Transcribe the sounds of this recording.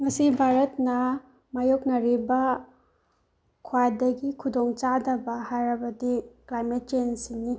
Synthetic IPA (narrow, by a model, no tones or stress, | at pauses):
ŋɐsibʱaɾɐtnɐ | majoknɐɾibɐ | kʰwajdɐɡikʰudoŋt͡ʃadɐbɐhajɾɐbɐdiklajmet̚t͡ʃensini